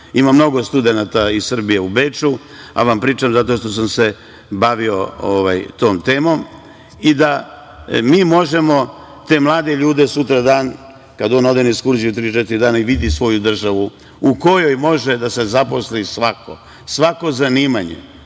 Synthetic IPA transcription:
imamno̞ɡo̞st̪ud̪e̞nat̪aissr̩bijeubeːt͡ʃu | a̰ʋampɾiːt͡ʃamzat̪o̞ʃt̪o̞s̬amse̞ | baʋio̞oʋajt̪o̞ːmt̪e̞ːmo̞m | id̪a | miːmo̞ʒe̞mo̞ | t̪e̞ːmlˠaːd̪e̞ʎuːd̪esut̪ɾad̪aːn | kad̪oːno̞d̪enekskuɾziut̪ɾiːt͡ʃɛt̪iɾid̪aːnaiʋid̪isʋo̞jud̪r̩ʒaʋu | uko̞jo̞jmo̞ʒed̪ase̞zapo̞slisʋakʰo̰ | sʋako̞zaniːmaɲḛ

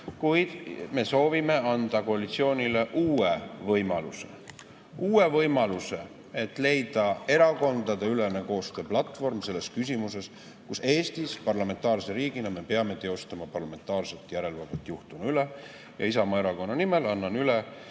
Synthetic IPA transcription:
kujd̪̥me̞so̞ːvime̞ɑnd̪̥ɑko̞ɑlit̪sio̞ːnʲile̞ʔuːevɤjmɑluse̞̰ | uːe̞vɤjmɑluse̞ | e̞t̪ːˑle̞jd̪̥ɑe̞ɾɑko̞nd̪̥ɑd̪e̞ylene̞ko̞ːst̪ø̞ːplɑt̪ˑvo̞rmse̞lːe̞skysimuse̞s | kuse̞ːst̪ispɑrlɑme̞nt̪ːˑɑːrseɾiːɡ̥inɑme̞pe̞ɑme̞t̪e̞o̞st̪ɑmɑpɑrlɑme̞nt̪ˑɑːrse̞t̪ːˑjæɾe̞lvɑd̪et̪ːˑjuht̪umɑyle | jɑisɑmɑeɾɑko̞nːɑnime̞lɑnːɑnyle

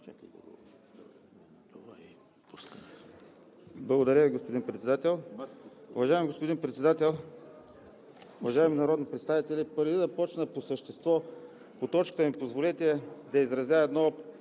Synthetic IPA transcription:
t͡ʃakiɡ̰ɡo̰ | t̪ovai | puskən | blˠɐɡod̪ɐɾʲjəviɡospod̪inpɾɛt̪sɛd̪at̪ɛlˠ | ʊvɐʒaɛmiɡospod̪inpɾɛt̪sɛd̪at̪ɛlˠ | ʊvɐʒaɛminɐɾɔd̪nipɾɛt̪st̪avit̪ɛlipəɾd̪id̪ɐpɔt͡ʃnəposəʃt̪ɛst̪vɔ | pot̪ɔt͡ʃkə̥t̪əmipozvolɛt̪ʲɛd̪ɐizɾɐzʲjaɛd̪nɔ

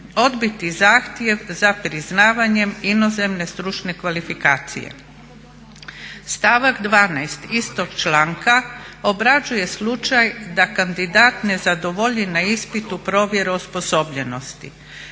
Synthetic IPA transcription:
o̞d̪bit̪izaːxt̪je̞ʋzapɾiznaːʋaɲe̞mino̞ze̞mne̞st̪ɾut͡ʃne̞kʋalifikaːt̪sḭjḛ | st̪aʋaɡd̪ʋaːnajst̪ist̪o̞ɡ̥t͡ʃlaːŋkaobɾad͡ʒuje̞slˠut͡ʃajd̪akand̪id̪aːt̪ne̞zad̪o̞ʋo̞ʎinaispit̪upɾo̞ːʋje̞ɾeospo̞so̞bʎe̞no̞st̪ḭ

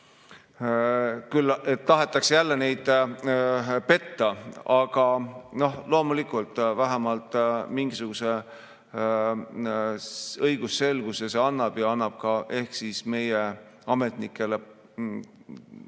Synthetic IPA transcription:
kylːe̞t̪ːɑɦe̞t̪ːˑɑksejælːe̞ne̞jd̪̥ | pe̞t̪ːɑɑɡ̥ɑno̞hlo̞ːmulikˑult̪ˑvæɦæmɑlt̪ˑmiŋɡ̥isuɡ̥use̞ | ɤjɡ̥usːe̞lɡ̥usese̞ɑnːɑb̥jɑɑnːɑb̥kɑʔe̞hksiːsme̞je | ɑme̞t̪nikˑːe̞le

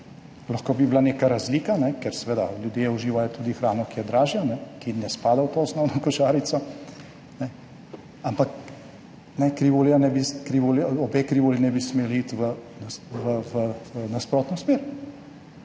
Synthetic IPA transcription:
laxkoːbiblaneːkaɾazliːkanɛkɛɾsɛʋeːd̪a̰ljud̪jeːuʒiːʋajɔt̪uːd̪ixɾaːnɔkijɛd̪ɾaːʒjanɛkinɛspaːd̪awt̪oːɔsnɔwnɔkɔʒaːɾit̪sɔ | nɛ | ampak | nɛkɾiʋoːljanɛbikɾiʋoːljaɔbekɾiʋoːlinɛbismeːlit̪ʋənaʋəʋənaspɾoːt̪nɔsmeːɾ

